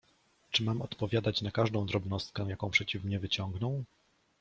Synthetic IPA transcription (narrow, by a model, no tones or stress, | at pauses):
t͡ʂɘmamɔt̪pɔvʲjad̪at͡ɕnakaʐd̪ɔ̃w̃d̪ɾɔbnɔst̪̚kɛ̃jakɔ̃w̃pʂɛt͡ɕifmɲɛvɘt͡ɕɔ̃ŋɡnɔ̃w̃